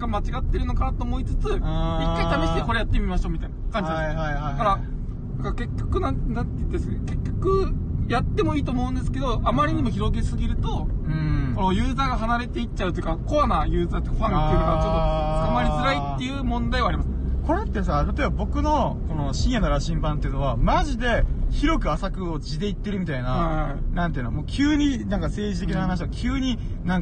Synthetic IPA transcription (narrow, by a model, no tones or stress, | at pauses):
ɡamat͡ɕiɡat̪ːe̞ɾɯ̟nokaat̪o̞ːmo̞it͡sɨ̥t͡sɨikːait̪abe̞ɕi̥t̪eko̞ɾe̞jat̪ːe̞mʲimaɕoːmʲit̪ainaakãɲ̟d͡ʑid̪akaɾa | nakaɾke̞kʲːo̞kɯ̟nãnnãnt̪t̪eseke̞kʲːo̞kɯ̟jat̪ːe̞mo̞iːt̪oːmo̞ɯ̟̃nd̪esɨ̥ke̞d̪o̞amaɾʲiɲ̟imo̞çiɾo̞ɡe̞sɨɡʲiɾɯ̟t̪o̞ | konojɯːzaːɡaɦanaɾe̞t̪e̞itt͡ɕːaɯ̟t̪ojɯ̟kako̞βanajɯ̟ːzãnt̪okaɸãt̪ekaoamaɾʲizɨɾait̪ːe̞jɯ̟ːmõ̞nd̪aiβaːɾʲimasɨ | ko̞ɾe̞t̪ːe̞sat̪at̪o̞ebabo̞kɯ̟no̞ko̞no̞ɕĩɰ̃jano̞ɾaɕĩmbãnt̪eɯ̟no̞βamaʑid̪e̞çiɾo̞kɯ̟asakɯ̟o̞t͡ɕid̪e̞it̪ːe̞ɾɯ̟mʲit̪ainanãnt̪eiɯ̟nmoːkʲʰɨːɲ̟inãŋkase̞ːd͡ʑit̪e̞k̬ʲinahanaɕ̬iβakʲʰɨːɲ̟inãŋ